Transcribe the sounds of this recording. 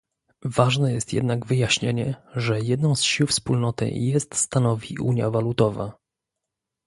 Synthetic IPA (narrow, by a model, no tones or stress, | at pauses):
vaʐnɛjɛst̪jɛ̰d̪naɡvɘjaɕɲeɲɛʐɛjɛd̪nɔ̃w̃sɕiwfspulnɔt̪ɘ̰jɛst̪st̪anɔvʲḭʔṵɲjavalut̪ɔva̰